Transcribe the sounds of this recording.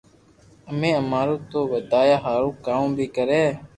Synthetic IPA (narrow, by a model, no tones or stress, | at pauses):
əmẽːəmaːɾõːt̪oːʋəd̪aːjaːɦaːɾõːkaːmbʱiːkəɾẽː